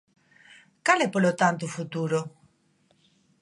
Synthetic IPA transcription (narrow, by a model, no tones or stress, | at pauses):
kalɛpolot̪ant̪̬ufut̪uɾo